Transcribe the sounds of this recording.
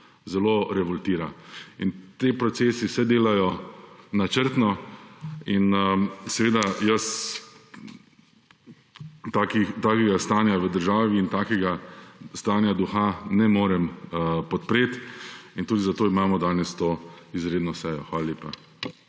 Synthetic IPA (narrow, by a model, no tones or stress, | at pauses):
zɛloɾɛʋɔlt̪iːɾaint̪epɾɔt̪seːsisɛd̪eːlajɔnat͡ʃəɾt̪nɔ | insɛʋeːd̪ajəs | t̪akit̪aːkɛɡast̪aːnjaʋəd̪əɾʒaːʋiːnt̪aːkɛɡast̪aːnjad̪uxanɛmoːɾɛmpɔt̪pɾeːt̪int̪uːd̪izat̪oːimaːmɔd̪aːnɛst̪oːizɾeːd̪nɔsɛjɔxʋaːlaljeːpa